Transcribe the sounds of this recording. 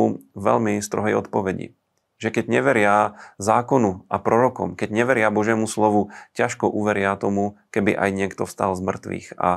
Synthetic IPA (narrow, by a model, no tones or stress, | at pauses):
ʋɛ̰ʎmist̪ɾɔɦɛjɔ̰t̪pɔʋɛɟḭ | ʒɛkɛɟɲɛʋɛɾɪazaːkɔnuapɾɔɾɔkɔ̰mkɛɟɲɛʋɛɾɪabɔʒjɛːmuslɔʋucaʃkɔʔuʋɛɾɪat̪ɔmukɛbiʔajɲɪɛkt̪ɔfst̪alzmr̩t̪ʋḭːxa̰